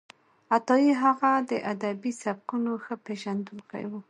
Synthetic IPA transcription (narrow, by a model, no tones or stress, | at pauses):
at̪ɑjiɦaɣad̪əʔad̪abisab̚qunoxəpeʒand̪ulka̰iwu